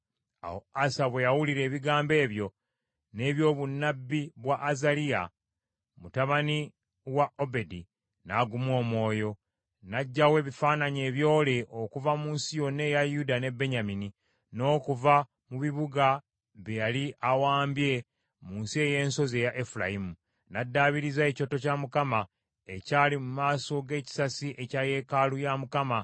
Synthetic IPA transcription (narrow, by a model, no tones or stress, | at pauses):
a̰ho̞̰asaβwejawuliɾe̞ːβiɡaːmbe̞ːβjo̞ | ne̞ːβjo̞ːβunːabːiβwaʔːzalija | mutaβani | waʔo̞be̞di | naɡumwo̞ːmwo̞ːjo̞ | naɟːawe̞ːβifaːnaɲe̞ːβjo̞ːle̞ʔokuvamuːnsijo̞nːe̞jajudane̞be̞ɲamini | no̞ːkuva | muβiβuɡa | βejaliʔawaːmbje̞ | muːnsie̞je̞ːnso̞ze̞jaʔefula̰jimu | nadːaβiɾizae̞co̞to̞camukama | e̞caːlimumaːso̞ɡe̞ːci̥sasiʔe̞caje̞kalujamukama